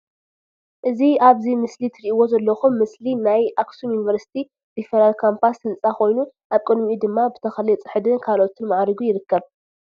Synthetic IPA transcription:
ʔɨziaβzimɨslit̪ʰɨɾiʔiwozɐlːɐxumːɨslinajʔaksumjunivɐɾsi̥t̪ʰi | d̪̥ifɐɾalkʰampʰasɨnt͡sʼakʰo̞jnu | ʔaβkʼɨd̪miid̪ɨmːabɨt̪ʰɐxɐlɨt͡sʼɨħɨd̪ɨnkʰalʔo̞t̪ʰinmaʕɾɨɡujɪɾɨkːɐβ

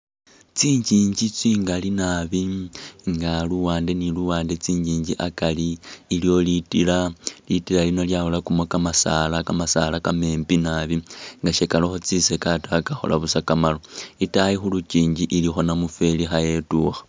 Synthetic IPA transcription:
t͡siːɲd͡ʒiːɲɟit͡siːŋɡalinaβiŋɡaluwaːnde̞niluwaːnde̞t͡siːɲd͡ʒiːɲd͡ʒiʔakaliːljo̞litilalitilalino̞ljaholakumwekamasalakamasalakame̞ːmpinaβiŋɡaʃekaloxo̞t͡sise̞katakaxo̞̰la̰βusakamaloitajixulut͡ʃiːɲd͡ʒiʔilixo̞namufe̞lixaje̞tuːxḁ

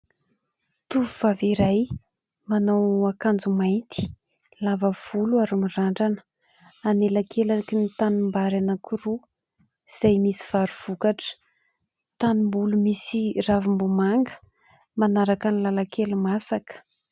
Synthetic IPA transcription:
t̪uvuv̥aviɾaj | manawakand͡zumajnt̪ʰi̥ | lavəv̥uluaɾumiraɳɖ͡ʐanə̥ | anelakʰelakinit̪animbaɾanəkʰuɾu | z̥ajmisi̥v̥aɾuv̥ukaʈ͡ʂə̥ | t̪animbulumisiravimbumaŋɡə̥ | manaɾakanilalakʰelumasakə̥

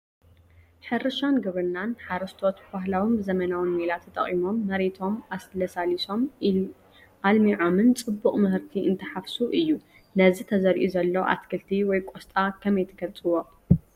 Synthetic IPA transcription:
ħɨɾɨʃanɡɐβɾɨnːanħaɾɐst̪ʰo̞t̪baɦlawinbɨzɐmɐnawɨnmelat̪ʰɐt̪ʼɐ̰χʼimo̞mːɐɾet̪ʰo̞maslɐsaliso̞m | ʔalmiʕo̞mɨnt͡sʼɨbːuχʼmɨhɨɾt̪ʰiʔɨ̰nt̪ʰɐħafsuʔɨjːu | nɐzit̪ʰɐzɐɾʔuzɐlːɐʔa̰t̪kʰɐlt̪ʰiwɔjkʼost̪ʼakʰɐmɐjt̪ʰɐkʰɐlt͡sʼɨwo̞

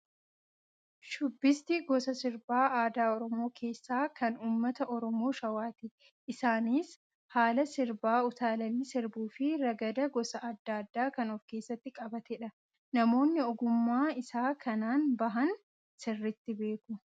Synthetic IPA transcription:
ʃʊbːɪst̪ɪɡɔsɐsɪɾbaːaːd̪aːɔɾɔmo̞ːkʰe̞ːsːaːkɐnuːmːɐt̪ɐʔɔɾɔmo̞ːʃɐwaːt̪ɪ | ʔɪsaːniːs | haːlɐsɪɾbaːʊt̪aːlɐnːɪsɪɾbuːfɪɾɐɡɐd̪ɐɡɔsɐɐd̪ːaːd̪ːaːkɐnɔfke̞ːsːɐt̪ːɪkʼɐbɐt̪ɛᶑɐ | nɐmo̞ːnːɪɔɡʊmːaːɪsaːkʰɐnaːnbɐɦɐn | sɪrːɪt̪ːɪbe̞ːkʊ

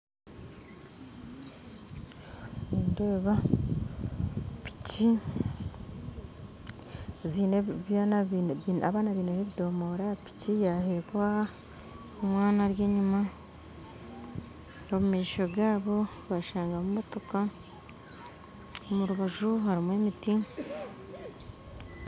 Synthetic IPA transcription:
indeːβa | pi̥ci | zineβjan | aβaːnaβiːneheβido̞moɾapi̥cijaɦeβwa | omwaːnaɾjeːɲima | ɾomumeiʃoɡaːβo̞ | βaʃaːŋɡamumo̞to̞ka | omuɾuβaʒuɦaɾimwemiti

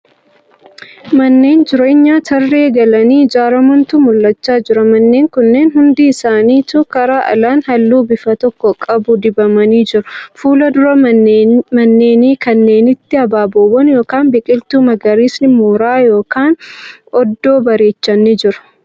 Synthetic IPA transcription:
mɐnːe̞ːnd͡ʒɪɾeɪɲːaːt̪ʰɐrːe̞ːɡɐlɐniːd͡ʒaːɾɐmʊnt̪uːmʊlːɐt͡ʃːaːd͡ʒɪɾɐmɐnːeːŋkʊnːe̞ːnhʊnd̪iːɪsaːniːt̪uːkɐɾaːʔɐ̰laːnhɐlːuːbɪfɐt̪ɔkːɔkʼɐbʊd̪ɪbɐmɐniːd͡ʒɪɾʊfuːlɐd̪ʊɾɐ | mɐnːe̞ːniːkɐnːe̞ːnɪt̪ːɪɐbaːboːwɐnjo̞ːkaːnbɪkʼɪlt̪uːmɐɡɐɾiːsnɪmoːɾaːjo̞ːkaːnɔd̪ːo̞ːbɐɾe̞ːt͡ʃːɐnːɪd͡ʒɪɾɐ̥

